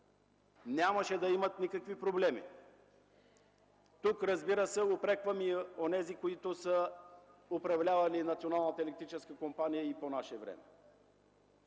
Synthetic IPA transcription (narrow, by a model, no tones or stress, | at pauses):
nʲaməʃɛd̪ɐimɐt̪nikəkvipɾoblɛmḭ | t̪ukɾɐzbiɾəsɛopɾɛkvəmionɛzikoit̪ʊsə | ʊpɾɐvlʲavɐlinɐt̪sionalˠnət̪əɛlɛkt̪ɾit͡ʃɛskəkompanijəiponaʃɛvɾɛ̰mɛ